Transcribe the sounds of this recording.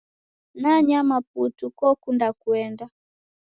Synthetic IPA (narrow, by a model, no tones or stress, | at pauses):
naɲamap̚utukɔkundakuɛnda